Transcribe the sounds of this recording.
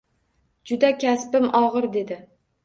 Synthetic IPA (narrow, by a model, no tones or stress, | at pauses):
d͡ʒʊd̪akʲʰaspɪmɒʁɨɾd̪e̞d̪ɪ